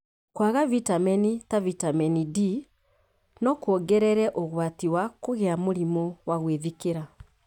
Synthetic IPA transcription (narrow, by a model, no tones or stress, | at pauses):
kwaɣavitamɛnitavitamɛnidi | nɔkwɔɡɛɾɛɾɛʔoɣwatiwakoɣɛamoɾimɔwaɣweðikeɾa